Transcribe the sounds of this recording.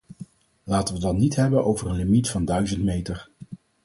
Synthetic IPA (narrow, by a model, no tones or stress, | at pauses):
laːtənʋədɑnnitɦɛbənʔowvərənlimitfɑndœɥzəntmejtəɹ